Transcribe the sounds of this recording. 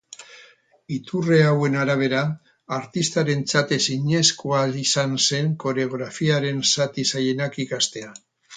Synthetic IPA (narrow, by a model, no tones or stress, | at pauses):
it̪ureawe̞naɾaβ̞e̞ɾaː | ɾt̪ist̪aɾe̞nt͡sat̪e̞siɲe̞skuaisanse̞ŋko̞ɾeoɣɾafiaɾe̞nsat̪isaje̞nakikast̪e̞a